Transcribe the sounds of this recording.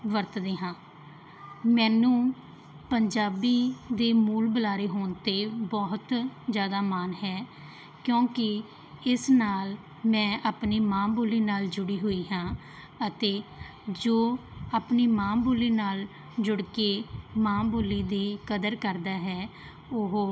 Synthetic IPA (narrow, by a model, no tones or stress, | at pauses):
ʋəɾt̪d̪eːɦãː | mɛ̃ːnũː | pəɲd͡ʒaːbiːd̪eːmuːlbəlaːɾeːɦoːnt̪eːbɔːɦt̪zjaːd̪aːmaːnɦɛː | kjõːkɪ | ɪsnaːl | mɛ̃ːʔaːpniːmãːboːliːnaːld͡ʒʊɽiːɦoːiːɦãː | ət̪eː | d͡ʒoːaːpniːmãːbuːliːnaːl | d͡ʒʊɽkeːmãːboːliːd̪iːkəd̪əɾkəɾd̪aːɦɛː | ʊɦː